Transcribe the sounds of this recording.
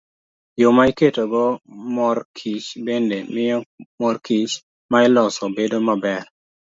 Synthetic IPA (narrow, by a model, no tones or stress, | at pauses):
jomaiketoɡomɔrkʰit͡ʃbendemɪjɔmorkit͡ʃ | maɪlɔsɔbedomabɛr